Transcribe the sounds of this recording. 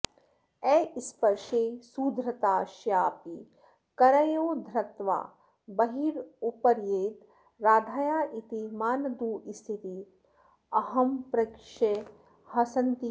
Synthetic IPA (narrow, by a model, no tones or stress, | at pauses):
ɛːʔispɐɾʃeːsuːd̪ʱɾɐt̪aːʃjaːpi | kɐɾɐjoːd̪ʱɾɐt̪ʋa̰ː | bɐɦiːɾupɐɾjeːt̪ | ɾaːd̪ʱaːjaːʔit̪imaːnɐd̪uːʔist̪it̪i | ɐɦɐmpɾɐkʂe | hɐsɐnt̪i